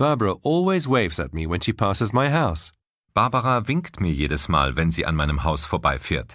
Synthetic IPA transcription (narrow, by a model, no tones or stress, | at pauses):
b̥ɑbɹəʔɔlˠwizweɪvzɨ̰t̚miwɛ̃nʃipʰasɨzmaɪɦaʊs | b̥aɐbaʁavɪŋktmiːɐjeːɾəsma̰ːlvɛnziːʔa̰nmaɪnəmhaʊsfoːɐbaɪfḛːɐt